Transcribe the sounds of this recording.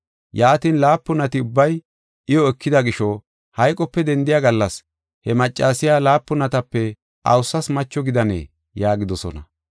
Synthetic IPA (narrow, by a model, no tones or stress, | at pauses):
jaːt̪inlaːpːʊnɐt̪ɪʊbːɐj | ʔɪjɔɛkʰːɪd̪ɐɡɪʃɔ | hɐjkʼɔpːɛd̪ɛnd̪ɪjaɡɐlːɐs | hɛmɐt͡ʃʼːaːsɪjaːlaːpːʊnɐt̪ɐpːɛ | ʔɐ̰wsːɐsmɐt͡ʃːɔɡɪd̪ɐnḛː | jaːɡɪd̪ɔsɔ̰nɐ̰